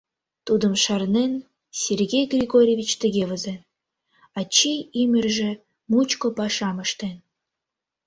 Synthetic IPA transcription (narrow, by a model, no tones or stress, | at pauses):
t̪ud̪ə̆mʃɑrnen | sʲerɣʲejɡrʲiɣorʲevʲit͡ɕt̪ə̆ɣʲevə̆zen | ɑt͡ɕejimʲɘ̆rʒĕ | mut͡ɕkopɑʃɑməʃt̪en